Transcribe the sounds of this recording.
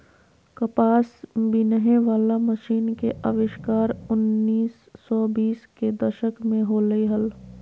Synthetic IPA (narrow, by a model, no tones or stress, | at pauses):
kəpaːsbinəɦẽʋaːlaməʃiːnkeʔəʋɪʃkaːɾʊnːiːsː | ɔːbiːsked̪əʃəkmẽɦoləiɦəl